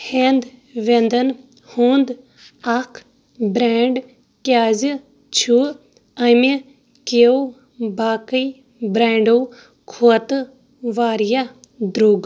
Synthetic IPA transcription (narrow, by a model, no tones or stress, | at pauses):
heːnd̪ʋend̪ɐn | huːnd̪ | ɐkʰ | bɾeːɳɖ | kjaːzi | t͡ʃʰu | ɐmi | kew | baːkəi | bɾaːɳɖo | kʰoɐt̪ɨ | ʋaːɾja | d̪ɾoːɡ